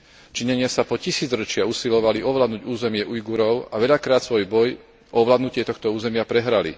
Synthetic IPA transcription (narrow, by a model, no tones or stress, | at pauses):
t͡ʃiɲɛɲɪasapɔcisiːd͡zɾɔt͡ʃɪausilɔʋaliɔʋlad̪nuɟuːzɛmɪɛʔujɡuɾɔʊaʋɛʎakɾaːt̪sʋɔjbɔj | ʔɔɔʋlaːd̪nucɪɛt̪ɔxt̪ɔuːzɛmɪapɾɛɦɾalḭ